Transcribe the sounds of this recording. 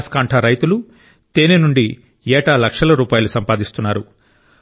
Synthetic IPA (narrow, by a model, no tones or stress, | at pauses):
skaːɳʈʰɐɾɐjt̪ulu | t̪eːninuɳɖi | ɛːʈalɐkʂɐlɐɾuːpaːjɐlusɐmpaːd̪ist̪unːaːɾu